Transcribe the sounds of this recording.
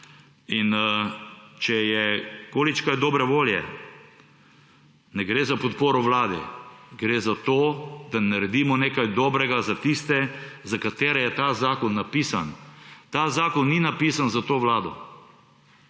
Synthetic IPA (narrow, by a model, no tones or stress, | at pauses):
in | t͡ʃɛjɛkoːlit͡ʃkajd̪ɔːbɾɛʋoːljɛ̰ | nɛɡɾeːzapɔt̪poːɾɔʋlaːd̪ɛ̰ɡɾeːzat̪oːd̪anaɾɛd̪iːmɔneːkajd̪ɔːbɾɛɡazat̪ist̪ɛzakat̪eːɾɛjɛt̪azaːkɔnːapisant̪aːzaːkɔnːinapiːsanzat̪oːʋlaːd̪ɔ̰